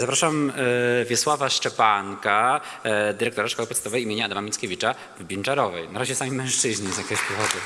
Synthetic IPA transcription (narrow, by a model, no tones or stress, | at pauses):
zapɾaʂamvʲjɛswavaʂt͡ʂɛpaŋka | d̪ɘɾɛkt̪ɔɾaʂkɔwɘpɔt̪ɛt̪ɔvɛjimʲeɲaad̪amamʲit̪skʲevʲit͡ʂa | vbʲint͡ʂaɾɔvɛjnaɾaʑɛsamʲejmɛ̃w̃ʂt͡ʂɘʑɲɛzjakʲeɔɕpɔvɔd̪ʊ